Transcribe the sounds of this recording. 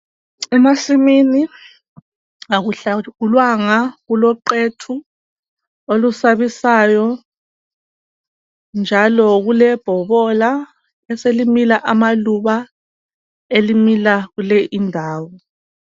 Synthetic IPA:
ɛmasimini | aɣuɬaɣulwaŋaɣulɔǃetʰu | olusaβisajɔ | nd͡ʒʱalɔɣulɛb̥ʱɔβɔla | ɛselimilaʔamaluβa | elimilaɣulɛʔindʱaːwɔ

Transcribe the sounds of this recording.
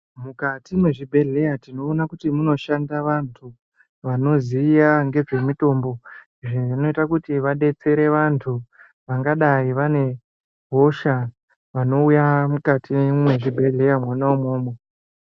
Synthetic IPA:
mukatimweʐibʱe̞ɮe̞jatino̞ːnakutimuno̞ʃandaʋantʰu | ʋano̞ziːjaŋɡe̞ʐe̞mito̞ːmbo̞ | ʐino̞itakutiʋaɗe̞t͡se̞ɾe̞ʋantʰu | ʋaŋɡaɗaiʋane̞ | ɦo̞ʃa | ʋano̞ujamukatimwe̞ʐibʱe̞ɮe̞jamwanaumoːmo

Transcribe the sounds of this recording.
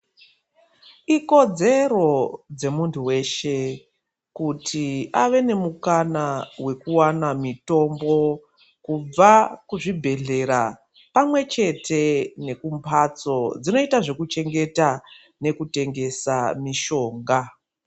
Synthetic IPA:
iko̞d͡ze̞ɾo̞d͡ze̞muntʰuwe̞ʃe̞ | kutʰiaʋe̞ne̞mukanawe̞kuwanamito̞mbo̞ | kub͡vakuʐibʱe̞ɮe̞ɾa̰ | pamwe̞t͡ʃe̞tʰe̞ne̞kumpʰat͡so̞d͡zino̞itaʐe̞kut͡ʃe̞ŋɡe̞ta | ne̞kute̞ŋɡe̞sa̰miʃo̞ːŋɡa

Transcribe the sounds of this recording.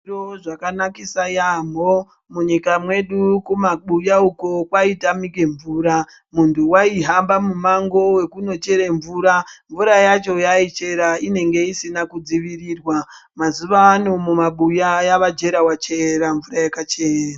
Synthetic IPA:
oʐakanakisajambo̞ | muɲikamwe̞ɗukumaɓujauko̞kwaitamike̞ɱvuːɾa | muntʰuwaiɦambamumaŋɡo̞we̞kuno̞t͡ʃe̞ɾe̞ɱvuːɾaɱvuɾajat͡ʃo̞jait͡ʃe̞ɾaine̞ŋɡe̞isinakud͡ziʋiriːrwa | mazuʋaːno̞mumaɓujajaʋad͡ʒe̞ɾawat͡ʃe̞ɾaɱvuɾajakat͡ʃera

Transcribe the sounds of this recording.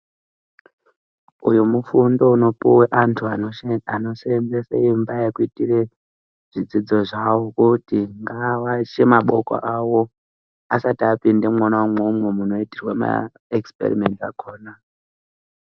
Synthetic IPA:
ujumufundo̞uno̞puweʔantʰuaano̞send͡zeseimbajekuitire̞ | ʐ̥id͡zid͡zo̞ʐawo̞kutiŋɡawat͡ʃemaɓoka̰ʔawo̞ | asatiapinde̞mwanaumwoumwe̞muno̞itirwama̰ | ekspe̞̰rime̞nta̰ko̞ːna

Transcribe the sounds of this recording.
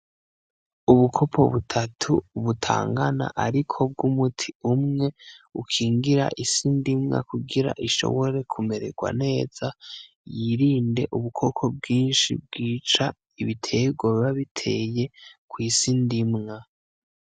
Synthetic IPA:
uβukʰo̞pʰo̞̰βutʰatʰuβutʰa̰ːŋɡana̰ʔaɾikʰo̞b̚ɡumutʰi̥umŋe̞ukʰiːŋɡiɾa̰ʔisindimŋa̰kuɡiɾa̰ʔiʃo̞̰βo̞ɾe̞kʰume̞ɾe̞̰ɡ̥wa̰ne̞ːz̥a | jiɾiːnde̞ʔuβukʰo̞kʰo̞b̚ɡiːnʃḭb̚ɡiːt͡ʃa | iβitʰe̞ɡwaβaβitʰe̞je̞kwiːsindimŋa

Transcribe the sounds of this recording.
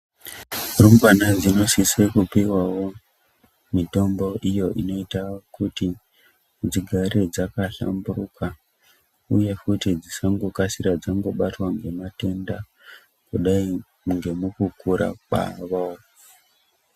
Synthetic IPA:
rumbanad͡zino̞sisekupiwawo̞ | mito̞mbo̞ʔijo̞ʔino̞itakuti | d͡ziɡʱaɾed͡zakaɬa̰mbuɾuka | uje̞kutid͡zisaŋɡo̞kasiɾad͡zaŋɡo̞ɓatwaŋɡe̞mate̞nda | kuɗai | ŋɡe̞mukukuɾa̰ɓa̰ʋao

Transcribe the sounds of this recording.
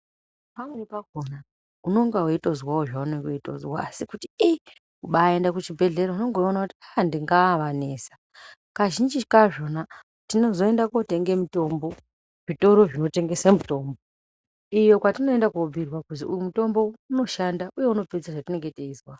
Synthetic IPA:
pamwenipakona | uno̞ŋɡaweito̞zwawoʐauneŋɡeito̞̰zwaːsikutii | kuɓae̞ndakut͡ʃibʱe̞ɮe̞ɾauno̞ŋɡoonakutiandiŋɡaːʋane̞ːsḁ | kaʒind͡ʒikaʐo̞na | tino̞zo̞e̞ndakote̞ŋɡe̞mito̞mbo̞ | ʐito̞ɾo̞ʐino̞te̞ŋɡe̞samuto̞ːmbo | ijo̞kwatino̞e̞ndakuobʱirwakuziujumuto̞mbo̞uno̞ʃandaʔujeuno̞ped͡zaʐatine̞ŋɡeteizwa

